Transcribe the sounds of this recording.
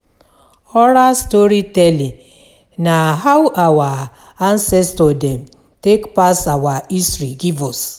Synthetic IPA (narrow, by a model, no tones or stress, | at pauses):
ɔɾastoɾitɛli | naɦawʔawa | ansɛstodem̩ | tekpasawaisɾiɡivɔs